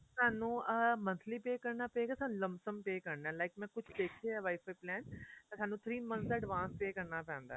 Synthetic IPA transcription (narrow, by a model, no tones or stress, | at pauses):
saːnũːəmə̃nt̪ʰliːpeːkəɾnaːpɛːɡaːsaːnũləmbsəmpeːkəɾnaɛːlaːɪkmɛ̃ːkʊt͡ʃʰd̪eːkʰeɛʋaːɪfʰaːiplɛ̃ːnt̪aːsaːnũːt̪ʰɾiːmə̃naːɖʋãːnspeːkəɾnaːpɛ̃ːnd̪a̰ː